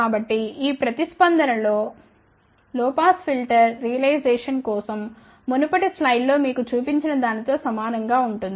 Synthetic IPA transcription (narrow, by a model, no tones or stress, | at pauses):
kaːbɐʈːiiːpɾɐt̪ispɐnd̪ʱɐnɐlo̞ː | lɔːpaːspʰilʈɐɾːijɐlɐjd͡ʒeːʂɐnkɔːsɐmː | onupɐʈislɐjllo̞ːmiːkut͡ʃuːpiɲt͡ʃinɐd̪aːnit̪o̞ːsɐmaːnɐŋɡaːuɳʈund̪ii